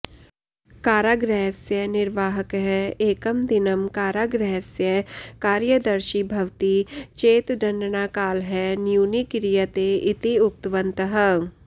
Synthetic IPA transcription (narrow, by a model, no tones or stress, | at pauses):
kaːɾaːɡɾɛɦsjənɪɾʋaːɦəkɦɛeːkəmd̪ɪnəmkaːɾaːɡɾɛɦsjəkaːɾjəd̪ɐɾʃibʱɐʋt̪it͡ʃeːt̪d̪ɐ̃nɖ̪naːkaːlɦɛnjuːnikɪɾijət̪eɪt̪iʊk̚t̪ʋə̃nt̪əɦə